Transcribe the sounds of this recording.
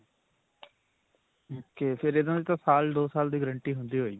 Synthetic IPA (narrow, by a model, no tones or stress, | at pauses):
keːpʰɪɾeːd̪ãːd̪iːt̪ãːsaːld̪oːsaːld̪iːɡəɾə̃ɳʈiːɦʊnd̪iːɦoːiːɡiː